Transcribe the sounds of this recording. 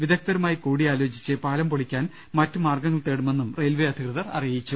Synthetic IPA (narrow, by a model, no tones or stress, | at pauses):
ʋid̪ɐk̚t̪ɐɾumaːjikuːɽiaːlo̞ːd͡ʑit͡ɕːɨpaːlɐmpoɭikʲːaːn | mɐtːumaːrɡɐŋːɐɭt̪e̞ːɽume̞nːumrejlʋeɐd̪ʱikrɐðɐrɐ̰rijit͡ɕːu